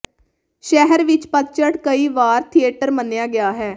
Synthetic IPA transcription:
ʃɛɦəɾʋɪt͡ʃpət̪̚t͡ʃəʈkəiːʋaːɾt̪ʰieːʈəɾmənejaːɡɪaːɦɛː

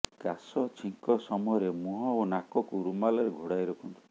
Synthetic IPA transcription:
kasɔt͡ʃʰiŋkɔsɔmɔjɔɾemuɦɔonakɔkuɾumalɔɾeɡʱoɽajɾɔkʰɔnt̪ʰu

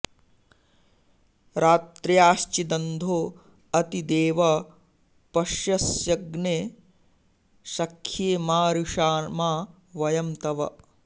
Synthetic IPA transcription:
ɾaːt̪ɾjaːʃt͡ʃid̪ɐnd̪ʱoː | ɐt̪id̪eːʋɐ | pɐʃjɐsjɐɡneː | ʃɐkʰːjeːmaːɾuʂaːmaː | ʋɐjɐmt̪ɐʋɐ̰

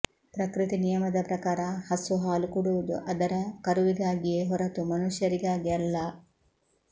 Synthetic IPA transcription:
pɾɐkɾit̪inijɐmɐd̪ɐpɾɐkaːɾaːhɐsuɦaːlukuɽud̪ṵʔɐd̪ɐɾɐkɐɾuʋiɡaːɡijeɦoɾɐt̪umɐnuʃjɐɾiɡaːɡiɐlːaː

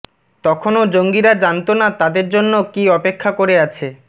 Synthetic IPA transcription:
t̪ɔkʰonod͡ʑoŋɡiɾad͡ʑant̪onat̪ad̪eɾd͡ʑonːokiɔpekʰːakoɾeat͡ɕʰe

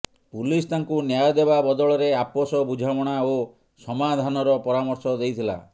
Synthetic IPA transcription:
pulist̪aŋkunjajɔd̪ebabɔd̪ɔɭɔɾeapɔsɔbud͡ʒʱamɔɽ̃ao | sɔmad̪ʱanɔɾɔpɔɾamɔɾsɔd̪ejt̪ʰila̰

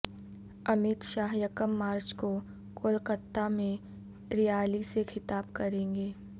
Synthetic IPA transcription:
ɐmɪt̪ʃaːɦjɐkəmːaːɾt͡ʃko | koːlkət̪ːamẽ | ɾijaːlisexʰɪt̪aːbkɐɾẽːŋɡeː

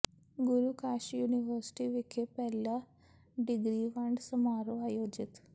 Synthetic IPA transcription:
ɡʊɾuːkaːʃjuːnɪʋəɾsʈiːʋɪkʰːepɛːlaː | ɖɪɡɾiːʋəɳɖsəmaːɾoaːjoːd͡ʒɪt̪

